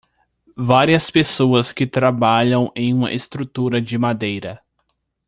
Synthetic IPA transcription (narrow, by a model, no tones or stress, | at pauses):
vaɾiɐspesoɐskɪt̪ɾabaʎɐ̃w̃ẽj̃ũmɐ̰ʔest̪ɾut̪uɾɐd͡ʒɪmad̪ejɾɐ